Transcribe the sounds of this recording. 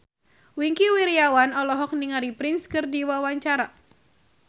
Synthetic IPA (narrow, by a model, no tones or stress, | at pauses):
wiŋkiwiɾiawanɔlɔɦɔk̚niŋaɾipɾinskɨrdiwawaɲt͡ʃaɾa